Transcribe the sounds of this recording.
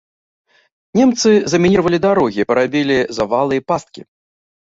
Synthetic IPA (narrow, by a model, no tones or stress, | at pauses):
nʲɛmt̪sɨzɐmʲinʲiɾvɐlʲid̪aɾɔɣʲipɐɾabʲilʲizɐvalˠɨjipast̪̚kʲḭ